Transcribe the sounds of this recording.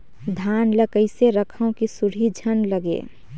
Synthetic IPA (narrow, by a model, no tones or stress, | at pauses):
d̪ʱaːnləkəɪseɾəkʰəõkisuɽ̤id͡ʒʱənləɡḛ